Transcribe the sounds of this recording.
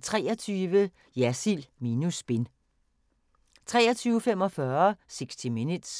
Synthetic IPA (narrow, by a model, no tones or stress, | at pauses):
t͡sʰʁɛ̰ːɐt͡sʰyːʋə | jæsilmiːnusb̥e̝n | t͡sʰʁɛːɐt͡sʰyːʊfem̰ɒ̽fɶɐseɡ̥sd̥iminud̥s